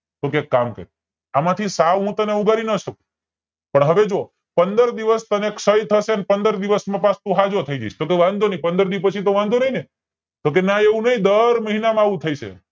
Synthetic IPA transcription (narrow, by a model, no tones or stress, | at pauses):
t̪okekːamkə̰ɾi | amãt̪ʰisaʋɦũt̪əneuɡaɾinəʃək̚u̥ | pəɳɦəʋed͡ʒoo | pənd̪əɾd̪iʋəst̪əneksəjt̪ʰəʃeənepənd̪əɾd̪iʋəsmãpast̪ũɦad͡ʒot̪ʰəid͡ʒa̰ʃt̪okeʋãnd̪ʱonəɦĩpənd̪əɾd̪ipət͡ʃʰit̪oʋãnd̪ʱonəɦine | t̪ok̬enaeʋũnəɦĩd̪əɾməɦinamãaʋũt̪ʰəiʃḛ